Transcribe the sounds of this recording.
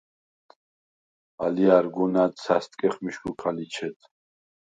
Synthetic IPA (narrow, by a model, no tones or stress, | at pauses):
aliaɾɡunat̪sast̪ʼkʼɛχmiʃkukʰalit͡ʃʰɛt̪ʰ